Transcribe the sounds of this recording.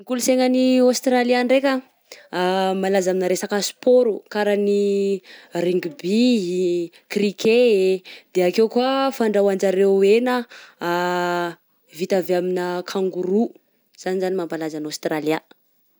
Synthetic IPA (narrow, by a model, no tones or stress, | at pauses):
nikuluseŋəniost̪ɾaliaɳɖ͡ʐekʲə | malazaminəɾesakəsu̥poɾukaɾani | riŋɡibiɦi | kriked̪̥eakewkuafaɳɖ͡ʐawand͡ʒaɾewenə | vit̪aveaminəkʰaŋɡuɾu | z̥anizanimampalazanost̪ralia